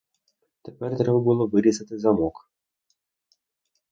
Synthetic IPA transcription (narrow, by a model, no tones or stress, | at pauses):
t̪ɛpɛrt̪ɾɛbɐbɨlˠɔʋɨɾʲizɐt̪ɪzamɔk